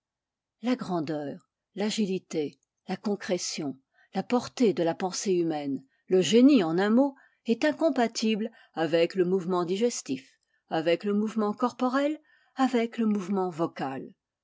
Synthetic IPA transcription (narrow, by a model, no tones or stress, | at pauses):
laɡʁɑ̃d̪œːʁ | laʒilit̪e | lakɔ̃kχɛsjɔ̃ | lapɔʁt̪ed̪əlapɑ̃seymɛn | ləʒeniɑ̃nɛ̃mo | ɛt̪ɛ̃kɔ̃pat̪ʰibl | avɛkləmuvmɑ̃d̪iʒɛst̪if | avɛkləmuvmɑ̃kɔʁpɔʁɛl | avɛkləmuvmɑ̃vɔkal